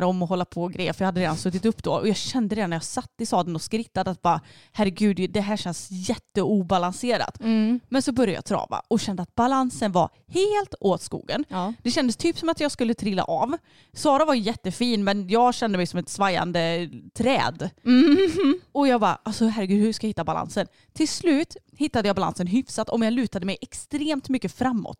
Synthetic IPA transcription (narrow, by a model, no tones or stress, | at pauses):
ɾɔmːɔɦɔlːapʰɔɡɾḛjəfɾjɑːhad̪ːɾeːd̪ansɵt̪ːɪt̪ɵpːd̪o̰ɔjɑːɡɕɛnd̪əɾeːd̪anːɛjɑːsat̪ːɪst̪ɑːd̪ənɔskɾɪt̪ːad̪əat̪̚bɑ | hæɾːɛɡʉ̟ːd̪d̪ɛɦæːɕɛnsjɛt̪ːəuːbalanseːɾa̰t̪mɛnsɔbœɾja̰jɑ̰t̪ʰɾɑ̰ːva̰ɔɕɛnd̪əat̪̚balansənva̰ | heːlt̪oːt̪skṵːɡə̰nd̪ɛɕɛnd̪əst̪ʰyːpsɔmat̪jɑːɡskɵlːət̪ʰɾɪlːa̰ʔɑv | sɑːɾavajjɛt̪ːəfiːnmɛnjɑːɡɕɛnd̪əmɛjsɔmɛt̪svajːa̰nd̪ət̪ʰɾɛ̰ːd̪ | ɔjɑːɡbɑ̰ʔasɔɦæɾːəɡʉ̟d̪hʉʂkajahɪt̪ːabala̰nsən | t̪ʰɪlslʉ̟ːt̪ | hɪt̪ːad̪əjɑːbala̰nsənɦʏfsat̪ɔmjɑːlʉ̟ːt̪ad̪əmɛjʔɛkst̪ɾeːmt̪mʏkːəfɾamːɔ̰t̪ː